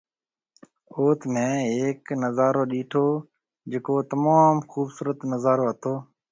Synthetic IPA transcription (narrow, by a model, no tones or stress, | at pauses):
oːt̪mẽːɦeːknəzaːɾoːɗiːʈʰoː | d͡ʒeːkoːt̪əmaːmxuːbsuːɾət̪nəzaːɾoːɦət̪ʰoː